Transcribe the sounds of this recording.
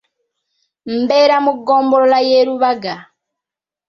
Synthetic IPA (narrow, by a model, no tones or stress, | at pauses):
m̩bɛɾamuɡɔmbɔlɔlajɛɾuβaɡa